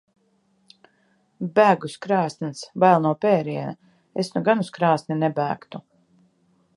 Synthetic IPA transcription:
bæːɡuskɾɑːst̪nʲsbajlˠnuɔpɛːɾiɛna | esnuɡanuskɾaːsnʲinɛbæːkt̪u

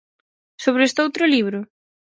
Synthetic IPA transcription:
soβɾest̪owt̪ɾʊliβ̞ɾʊ

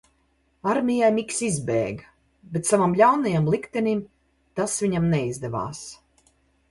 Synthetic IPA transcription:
aɾmʲijajmiksizbɛ̰ːɡ | bet̪savamlʲawnajamlˠikt̪ɛnim | t̪asvʲiɲamnɛizd̪ɛva̰ːs

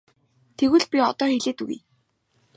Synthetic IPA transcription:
t̪ʰeɣɘ̆ɮpʲiɔt̪ɔːxeɮeːt̪uɣṵj

